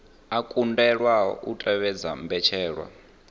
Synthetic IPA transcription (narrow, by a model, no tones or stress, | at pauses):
akʼundɛɺwaɔ̰ṵtʼɛβɛd͡za̰mbɛt͡ʃʰɛːɺwa̰